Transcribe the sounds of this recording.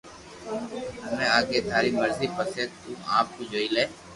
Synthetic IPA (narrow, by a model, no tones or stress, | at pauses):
ɦəmẽːaːɡeːt̪ʰaːɾiːməɾziːpəseːt̪ũːaːp̚kud͡ʒoːileː